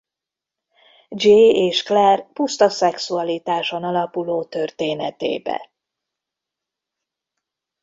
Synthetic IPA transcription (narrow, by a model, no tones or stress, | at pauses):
d͡ʒeːeːʃklɛrpust̪ɒsɛksuɒlit̪aːʃo̞nɒlɒpuloːt̪ø̞rt̪eːnɛt̪ḛːbɛ̰